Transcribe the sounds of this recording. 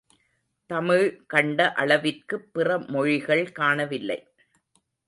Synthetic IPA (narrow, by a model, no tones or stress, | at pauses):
t̪ɐmɪɻkɐɳɖɐʔɐɭɐʋɪrkɯpːɪrɐmɔɻɪɣɐɭkaːnɐʋɪlːɐ̰ɪ